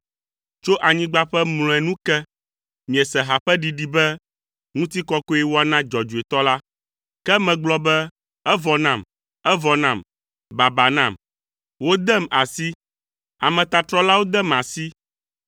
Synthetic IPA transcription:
t͡ʃo˦ʔa˨ɲĩ˦ɡ͡ba˦ɸɛ˦ml̃ɔ̃˨ɛ˨nũ˦kɛ˦ | mĩ˨ɛ˨sɛ˨ɦa˨ɸɛ˦ɖi˨ɖi˦bɛ˦ | ŋũ˦t̪i˦kɔ˦ko˦ɛ˦wo˦a˨nã˦d͡ʒɔ˨d͡ʒu˨e˨t̪ɔ˦la˦ | kɛ˦mɛ̃˨ɡ͡blɔ˦bɛ˦ | ɛ˦vɔ˨nã˦˨m | ɛ˦vɔ˨nã˦˨m | ba˨ba˨nã˨m | wo˦d̪ɛ˦ma˨si˦ | a˨mɛ̃˨t̪a˨t̪ɾɔ˦la˦wo˦d̪ɛ˦˨ma˨si˦

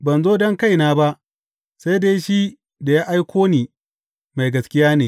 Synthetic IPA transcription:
bɐ˨nzoː˦dɔ˦ŋka˦jnaː˦ba˦ʔ | sa˦jdeː˦ʃi˦ | da˨jaː˦ʔa˦jkʷoː˦niː˨ | ma˨jɡɐ˨skʲɪ˦jaː˦neː˨

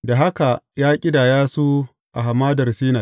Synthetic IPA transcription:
da˨ɦa˦ka˨jaː˦kʲʼɪ˦daː˨jaː˦su˦ | ʔa̰˨ɦa˨maː˦dɐ˨rsiː˦naː˨

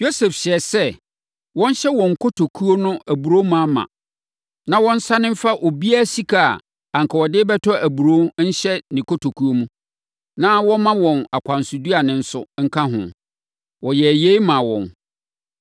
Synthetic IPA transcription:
jo˦sɛ˨fɕɛ˨sɛ˦ | wɔ̃˦n˦ɕɛ˦wɔ̃˨ŋ̩˨kʰo˦tʰo˨kʰu˦o˦nʊ̃˦ʔæ˨bu˨ɾo˦mũ˦a˦mã̰˨ | nã˦wɔ̃˦n̩˦sa˦nɪ̃˦m̩˦fa˦ʔo˨bi˦a˦˨si˦kʰa̰˨ | ã˨ŋ˨kʰɔ˨wɔ˨dɪː˦bɛ˦tʰɔ˦æ˨bu˨ɾo˦n̩˦ɕɛ˦nĩ˨ko˦tʰo˨kʰu˦o˦mũ˦ | nã˦wɔ̃˦mã˦wɔ̃˨na˨kʷʰã˨nsʊ˨du˦a˨nɪ̃˨n̩˦sʊ˦ŋ̩˦kʰã˦ɦʊ̰̃˨ | wɔ˨jɛ˨je˦mã˨wɔ̰̃˨n

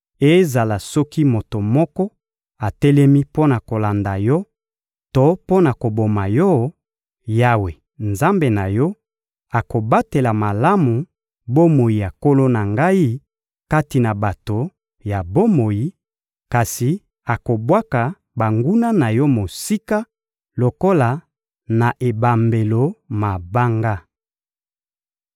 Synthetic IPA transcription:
e˦za˨la˨sɔ˦ki˦mo˨to˨mɔ˦kɔ˦ | a˨tɛ˦lɛ˦mi˦po˦na˨ko˨la˨nda˨jɔ˦ | to˦po˦na˨ko˨bo˨ma˨jɔ˦ | ja˦we˨ | nza˦mbe˨na˨jɔ˦ | a˨ko˨ba˦te˨la˨ma˨la˦mu˨ | bo˦mo˨ji˨ja˨ko˦lo˦na˨ŋɡa˦i˦ | ka˦ti˨na˨ba˨to˨ | ja˨bo˦mo˨ji˨ | ka˨si˨ | a˨ko˨bwa˦ka˨ | ba˨ŋɡu˦na˦na˨jɔ˦mo˨si˦ka˦ | lo˨ko˦la˨ | na˨ʔe˨ba˨mbe˨lo˨ma˨ba˦ŋɡa˦

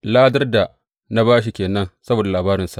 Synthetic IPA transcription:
laː˦dɐ˦rda˨ | na˦baː˦ʃ̬i˨kʲeː˨nɐ˦nsɐ˦boː˨da˨laː˨baː˦ɾɪ˨nsa˨ʔ

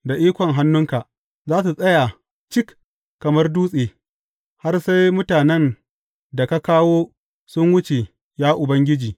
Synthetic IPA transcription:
da˨ʔiː˦kʷɔ˨ŋɦa˦nːʊ˦ŋka˨ʔ | zaː˦s̬u˨sʼɐ˦ja˨ | t͡ʃɪ˦k | kːɐ˨mɐ˦rduː˦sʼeː˨ | ha˦rsa˦jmʊ˦taː˨nɛ˦n | da˨ka˦kaː˦woː˦ | sʊ˦ŋwʊ˦t͡ʃe˨ | jaː˦ʔʊ˨bɐ˦ŋɡʲɪ˦d͡ʒiː˨

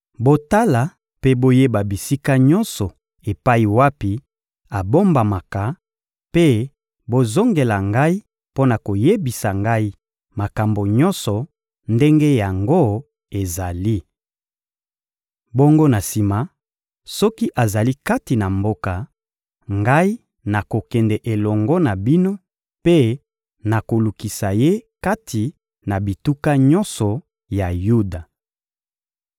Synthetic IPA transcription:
bo˦ta˦la˨ | pe˦bo˦je˦ba˨bi˨si˦ka˦ɲɔ˦nsɔ˨ | e˨pa˦i˨wa˦pi˨ | a˨bo˦mba˨ma˨ka˨ | pe˦ | bo˦zo˦ŋɡe˨la˨ŋɡa˦i˦ | po˦na˨ko˨je˦bi˨sa˨ŋɡa˦i˦ | ma˨ka˨mbo˨ɲɔ˦nsɔ˨ | nde˦ŋɡe˦ja˨ŋɡo˦ | e˨za˨li˦ | bo˦ŋɡo˦na˨si˨ma˨ | sɔ˦ki˦ʔa˨za˨li˦ka˦ti˨na˨mbo˦ka˨ | ŋɡa˦i˦ | na˨ko˨kɛ˨ndɛ˨ʔe˨lɔ˨ŋɡɔ˦na˨bi˦no˦ | pe˦ | na˨ko˨lu˨ki˨sa˨je˦ka˦ti˨ | na˨bi˨tu˦ka˦ɲɔ̃˦nsɔ˨ | ja˨ju˦da˨

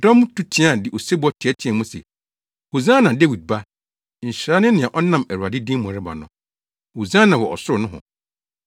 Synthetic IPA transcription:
dɔ̃˦m˦tʰu˦tʰɪ˦a˦˨dɪ˨ʔo˨se˦bɔ˦tʰɪ˨ɛ˦tʰɪ̃˨˦ɛ̃˨mũ˦sḛ˨ | ho˨zã˦nã˨de˦wi˨d̚ba˦ | ɲ̩˨ɕɾa˦nʊ̃˦nɪ̃˨a˨ʔɔ˦nã˨mæ˨ɾu˨a˨dɪ˦dĩ˦mʊ̃˨ɾɪ˦ba̰˨nʊ̃˨ | ho˨zã˦nã˨wɔ˨ɔ̰˨sʊ˦ʊ˨nʊ̃˦ɦʊ̰̃˨

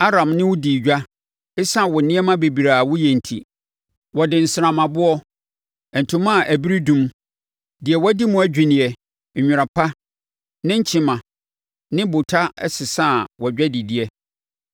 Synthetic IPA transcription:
a˦ɾã˨mnɪ̃˦wʊ˦diː˨d͡ʑᶣa˦ | ɪ˦sã˦˨wɔ˨nɪ̃˦ɛ˦mã˦be˨bi˨ɾa˨wʊ˦jɛ˨n̩˨tʰḭ˨ | wɔ˨dɪ̃˨n̩˨sɪ˨ɾã˨mã˨bʊ˦ɔ˦ | ɛ˨n̩˨tʰũ˦mã˦˨ʔæ˨bi˦ɾi˦dũ˦m | dɪ˨ɛ˨wɔ˦di˦mʊ̃˦æ˦d͡ʑᶣi˨nɪ̃˨ɛ˨ | ɲᶣʊ˨ɾa˨pʰa˦ | nɪ̃˦ɲ̩˦t͡ɕʰɪ̃˨mã˨ | nɪ̃˦bʊ˨tʰa˦ɛ˦sɪ˨sã˦˨wɔ˨d͡ʑᶣɛ˦di˨dɪ˦ɛ˦

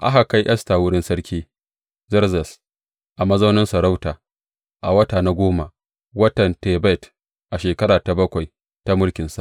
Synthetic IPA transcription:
ʔa̰˦ɦa˨ka˦jʔɛ˦staː˨wʊ˦ɽɪ˦nsɐ˦ɽkʲʰiː˦ | zɐ˦rzɛ˨s | ʔa˨mɐ˦za˦wnɪ˦nsɐ˨ɾa˦wtaː˨ | ʔa˨wɐ˦taː˨na˦ɡʷoː˦ma˨ | wɐ˦tɐ˨nte˨bɛ˦t | ʔa˨ʃeː˨kɐ˦ɽaː˨ta˨bɐ˦kʷa˨j | ta˦mʊ˦ɽkʲɪ˨nsa˨ʔ

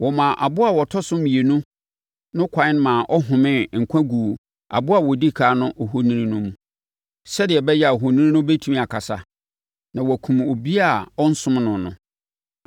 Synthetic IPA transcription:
wɔ˨mã˨ʔa˨bʊ˦a˨wɔ˨tʰɔ˦sʊ̃˦mĩ˨e˨nũ˦ | nʊ̃˦kʷʰã˨ɪ̃˦n˦mãː˨ʔɔ˦ɦʊ̃˨mɪ̃˦˨ŋ̩˨kʷʰã˦ɡu˨ | a̰˨bʊ˦a˨wɔ˨di˦kʰaː˨˦nʊ̃˦ʔɔ˨ɦo˦nĩ˦nĩ˦nʊ̃˦mũ˨ | sɛ˦dɪ˨ɛ˨bɛ˦jɛ˦a˨ɦo˨nĩ˦nĩ˦nʊ̃˦be˦tʰu˦mĩ˦˨a˨kʰa˨sa˦ | nã˨wɔ˨kʰũ˨mo˨bi˦a˦˨ɔ˦n̩˦sʊ̃˦mnʊ̃˨nʊ̰̃˨

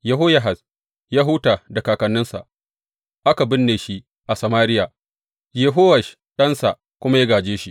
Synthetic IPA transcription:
ja˦ɦoː˦ja˨ɦɐ˨s | jaː˦ɦʊ˦taː˨da˨kaː˨kɐ˨nːɪ˦nsa̰˨ʔ | ʔa˦ka˨bɪ˦nːeː˨ʃi˦ | ʔa˨sɐ˨maː˦ɾɪ˦jaː˨ | je˦ɦoː˦wɐ˨ʃ | ɗɐ˦nsa˨ | kʷʊ˦ma˦ja˦ɡaː˨d͡ʒeː˦ʃi˦

